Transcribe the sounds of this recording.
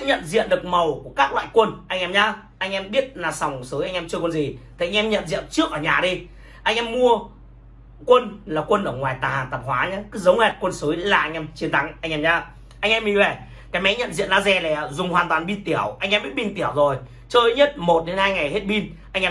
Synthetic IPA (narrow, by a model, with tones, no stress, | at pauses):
ɲə̰˧˨nzḭ˧˨ənɗɨ˨˩ə˩k̚mə˨˩wku˧˩əkaː˦˥k̚lwa̰ː˧˨jkwə˧nʔa˧jŋʔɛ˧mɲaː˧˦ | ʔa˧jŋ̟ʔɛ˧mɓi˦˥ət̚naː˨˧˩sa˨˩wŋ͡msɨ˨˦jʔa˧ŋ̟ʔɛ˧mt͡ɕɨ˧kwə˧nzi˨˩t̪ʰi˨ʔa˧ŋ̟ʔɛ˧mɲə̰˧˨nzḭ˧˨ənt͡ɕɨ˦˥ək̚ʔəː˧˩ɲaː˨˩ɗi˧ | ʔa˧jŋʔɛ˧mːu˧ə | kwə˧nlaː˨˩kwə˧nʔəː˧˩ŋwaː˨˩jt̪aː˨˩haː˨˩nt̪ə˨˩p̚hwaː˨˦ɲaː˨˦kɨ˨˦zə˨˦wŋ͡mŋa˨˩t̚kwə˧nsɨː˨˦jlaː˨˩ʔa˧jŋ̟ʔɛ˧mt͡ɕi˨˦ənt̪ʰa˨˦ŋʔa˧jŋ̟ʔɛː˧mɲaː˨˦ | ʔa˧jŋ̟ʔɛ˧mi˨˧˩ve˧˩ | kaː˨˦jmɛ̰˧˥ɲə̰˧˨nzḭ˧˨ənaː˧zɛ˧˩lɛ˨˩˨zʊ˨˩ŋ͡mhaː˨˩nt̪waː˨˩nɓi˧nt̪i˧˩əwʔa˧jŋʔɛ˧mɓi˦˥t̚ɓi˧nt̪i˧˩əwzo˨˩j | t͡ɕəː˧˨˦ɲə˦˥t̚mo˨˩t̚ɗe˨˦nhaː˧jŋa˨˩jhe˦˥t̚ɓi˧n | ʔa˧ŋʔɛː˧